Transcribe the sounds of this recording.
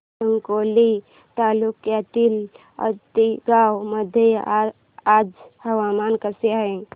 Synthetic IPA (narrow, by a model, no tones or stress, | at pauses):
əŋkoli | t̪aːlukkeət̪il | ə̰t̪iɡawməd̪ʱje | ad͡ʒhəwamankəseaẽ